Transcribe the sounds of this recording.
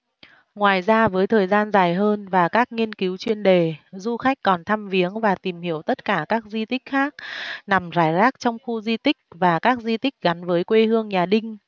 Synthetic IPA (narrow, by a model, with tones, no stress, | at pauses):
ŋwaː˨˩jzaː˧vəː˨˦jt̪ʰəː˨˩jzaː˧nzaː˨˩jɦəː˧nvaː˨˩kaː˦˥k̚ŋi˧ənki˨˦wt͡ɕwi˧ənɗe˨˩zu˧xa˦˥jk̟̚kɔ˨˩nt̪ʰa˧mvi˨˦əŋvaː˨˩t̪i˨˩mhi˧˩əwt̪ə˦˥t̚kaː˧˩kaː˦˥k̚zwi˧t̪ï˦˥k̟̚xaː˦˥k̚na˨˩mzaː˧˩jzaː˦˥k̚t͡ɕɔ˧wŋ͡mxu˧zi˧t̪ï˦˥k̟̚vaː˨˩kaː˦˥k̚zi˧t̪ï˦˥k̟̚ɣa˨˦nvəː˨˦jkwe˧hɨ˧əŋɲaː˨˩ɗï˧ŋ̟